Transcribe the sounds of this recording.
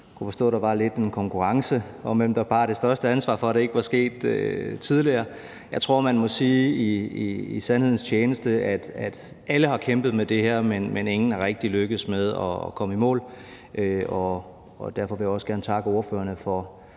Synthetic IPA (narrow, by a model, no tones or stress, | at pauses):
kʰufɒ̽sd̥ɔ̰̽ːɾ̥ɑ̈ʋɑ̈le̝d̥e̝nkʰɒ̽ŋkʰuʁɑ̈ŋsə | ɒ̽mʋemd̥ɑb̥ɑ̈ːɾ̥e̝sd̥ɶɐsd̥əænsʋɑ̰̈ːfɒ̽ɾ̥ee̝ɡ̥əʋɑ̈sɡ̥e̝̰ːd̥øt͡sʰiðˠliɐː | jɑ̈ɪt͡sʰʁo̝ɐ̰mænmɒ̽siːiiisænhe̝ð̞̰ˠn̩st͡ɕʰeːnəsd̥əæd̥æd̥ | ʔæləhɑ̈kʰemb̥ð̞̩ˠmed̥e̝heɐ̰menmene̝ŋn̩ɑ̈ʁeɡ̥̚d̥iløɡ̥əð̩ˠsmeð̞ˠɒkʰɒ̽məimɔ̰ːl | ʔøɒː | d̥æɐfɒ̽ʋe̝jäɒ̽sɡ̥æɐnt͡sʰɑ̈ɡ̥əo̝ːɐfø̰ːɐnəfɒ̽